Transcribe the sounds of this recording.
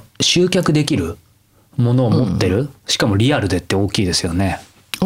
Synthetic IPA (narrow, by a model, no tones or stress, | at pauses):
ɕɨːkʲakɯ̟d̪e̞kʲiɾɯ̟ | mo̞no̞ːmo̞t̪ːe̞ɾɯ̟ɕi̥kamo̞ɾʲiaɾɯ̟d̪e̞t̪ːe̞o̞ːkʲiːd̪e̞sɨjo̞ne̞